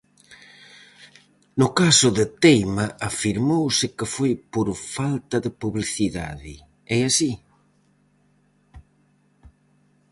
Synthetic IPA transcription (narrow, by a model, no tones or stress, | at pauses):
nʊkasʊðɪt̪ejmaʔafiɾmowsɪkɪfojpoɾfalt̪ɐðɪpuβliθiða̰ðɪ | ɛasi